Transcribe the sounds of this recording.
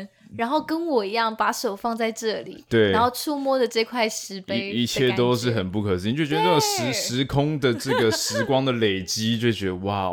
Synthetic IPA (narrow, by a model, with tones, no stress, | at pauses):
ɻa˧˥nxo˥˩ʊkə˥nwɔ˨˩i˧˥jɑ˥˩ŋpa˧˥ʂo˨˩ʊfɑ˥˧ŋt͡sa˥˧ɪʈ͡ʂɤ˥˩lḭ˩˨˩t̪we˥˩ɪ˥nxo˥˧ʊt͡sʰu˥mwɔ˥˩d̪ə˨ʈ͡ʂɤ˥˧i˧kʰwa˥˩ɪʂɻ̩˧˥peɪi˥˧t͡ɕʰjjɛ˥˧t̪o˥ʊʂɻ̩˥˩xə˨˩npu˥˩kʰə˨˩si˥n˨t͡ɕo˥˩t͡ɕɥɛ˧˥˧n˥˩˨ʂɻ̩˧˥ʂɻ̩˧˥kʰʊ˥ŋd̪ə˨ʈ͡ʂɤ˥˩ɡə˩ʂɻ̩˧˥kwɑ˥ŋd̪ə˨le˨˩ɪt͡ɕi˥t͡ɕjo˥˩ʊt͡ɕɥɛ˧˦d̪ə˧wa˥˩